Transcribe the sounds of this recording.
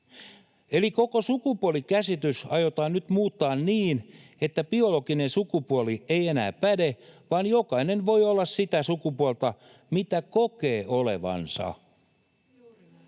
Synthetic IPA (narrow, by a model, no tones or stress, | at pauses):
eliko̞kosukupuolikæsit̪ysɑjot̪ɑːnnyt̪muːt̪ːɑːnniːnet̪ːæbio̞lo̞ɡinensukupuolie̞ijenæ̰ːpæde̞ʋɑːnjo̞kɑinenʋo̞jolːɑssit̪æsukupuolt̪ɑ | mit̪ækoke̞ːʔole̞̰ʋɑ̰nsɑ̰